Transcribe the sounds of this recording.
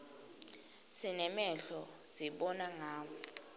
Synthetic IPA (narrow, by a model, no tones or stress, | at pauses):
sinɛmɛɬɔ | ziɓɔnaŋaːmɔ